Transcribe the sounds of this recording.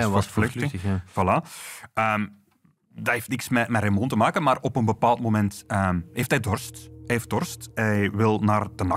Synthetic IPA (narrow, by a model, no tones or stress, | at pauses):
ʋɑstfløv̥ɑlaəːm | daeftnɪksmɛmɛɾemɔntəmaːkənmaːrɔpənbəpaːlˠtmomɛntəːmɦeːftɦɛjdɔrstɛef̚d̥ɔrstɛjʋɪlˠnaːrdənɑ